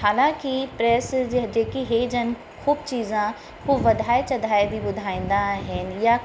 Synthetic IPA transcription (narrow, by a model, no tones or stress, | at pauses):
ɦaːlãːkipɾɛːsd͡ʒeːkiɦeːd͡ʒən | xuːbt͡ʃiːzã | kuːʋɐd̪ʱaːet͡ʃɐd̪ʱaːebʱibʊd̪ʱaːẽːn̆d̪aɦənja